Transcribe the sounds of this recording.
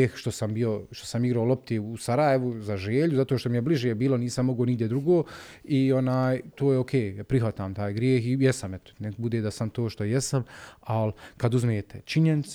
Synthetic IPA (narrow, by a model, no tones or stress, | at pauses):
eːxʃt̪o̞sambijo̞ʃt̪o̞samiɡɾaolˠo̞p̚t̪iusaɾajeʋuzaʒeːʎuzat̪oːʃt̪o̞mijebliʒjebiːlo̞niːsamːo̞ɡoniɡd̪jed̪ɾuɡoː | io̞naːjt̪oːjeokʰeːapɾiɦʋat̪aːmt̪aːjɡɾjeːxijɛsamɛt̪o̥nebud̪eːd̪asamt̪oːʃt̪o̞jɛsamalkad̪uzmeːt̪ʰet͡ʃiɲenit̪s